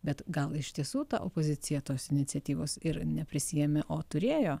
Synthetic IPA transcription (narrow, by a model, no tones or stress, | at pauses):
bʲɛt̪ɡɐlˠɪʃʲt̪ʲiɛsuːt̪ɑ̰ʔo̰ːpoːzʲɪt̪sʲɪjɛt̪oːsɪnʲɪt̪sʲɛt̪ʲiːʋoːsɪɾnʲɛpʲɾʲɪsʲɪːjɛmʲeʔoːt̪ʊɾʲeːjoː